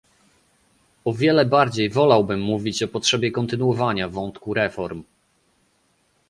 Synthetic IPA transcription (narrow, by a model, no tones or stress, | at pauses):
ɔvʲjɛlɛbaɾd͡ʑejvɔlawbɘmːuvʲit͡ɕɔpɔtʂɛbʲjɛkɔnt̪ɘnuɔvaɲavɔnt̪kuɾɛfɔɾm